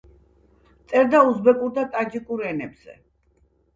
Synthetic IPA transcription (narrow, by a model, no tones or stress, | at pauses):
t̪sʼɛɾd̪auzbɛkʼuɾd̪at̪ʼad͡ʒikʼuɾɛnɛbz̥ɛ̰